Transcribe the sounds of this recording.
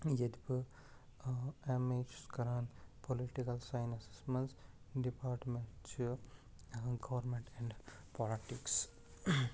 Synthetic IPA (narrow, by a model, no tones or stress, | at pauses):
jed̪b | emet͡ʃskɐɾaːnpoliʈikɐlsãɪnɐsi̥smẽns | ɖipaːɾʈmẽɳʈt͡ʃ | ɡɐʋəɾmẽɳʈɛ̃ɳɖ | pʰɔliʈiks